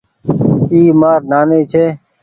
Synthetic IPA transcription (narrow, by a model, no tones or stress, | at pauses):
iːmaːɾnaːneːt͡ʃʰeː